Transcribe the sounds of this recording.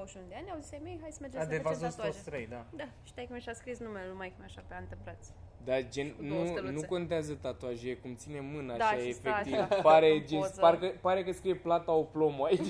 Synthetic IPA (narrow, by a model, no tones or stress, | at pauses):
oʃund̪eanʲawzisamejɦajsəmed͡ʒead̪evasost̪ost̪ɾəjd̪ad̪aʃi̥t̪ajkumeʃaskɾisnumelumajkɨmeaʃapeant̪ɨmplat̪sʲd̪ad͡ʒennunuko̞nt̪eazət̪at̪oaʒekumt̪sine̞mɨnaːejaefek̪ipaɾed͡ʒepaɾekəpaɾe̞kəskɾijeplat̪aoplo̞moait͡ʃ